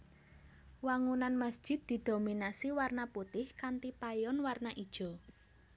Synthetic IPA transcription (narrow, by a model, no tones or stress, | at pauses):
waŋunanməsd̥ʒ̥ɪ̤d̪̚d̪̥i̤d̪̥o̤minasiwarnaput̪ɪhkant̪ipajɔnwarnaʔid̥ʒ̥ɔ̤